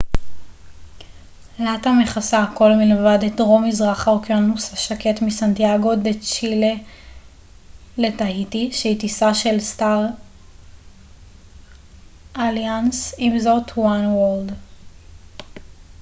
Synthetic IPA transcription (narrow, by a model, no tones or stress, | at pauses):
latameχasako̞lmilvadetʁo̞mizʁaχaʁkjonːusaʃake̞tmisantiaɡo̞det͡ʃile | letaitiʃeitisaʃe̞lstaʁ | ʔaljansimzo̞tʰwanwold